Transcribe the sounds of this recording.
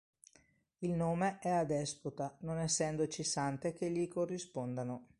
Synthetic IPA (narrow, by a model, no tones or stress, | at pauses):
ilnoːmeʔɛad̪ɛsput̪anonɛsːɛnd̪ot͡ʃisant̪ekeʎːikorːispond̪ano